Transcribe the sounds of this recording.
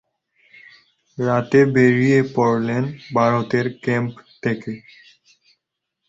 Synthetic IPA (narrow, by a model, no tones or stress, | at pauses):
ɾat̪ebeɾijepɔɾlenbʱaɾot̪eɾkempt̪ʰeke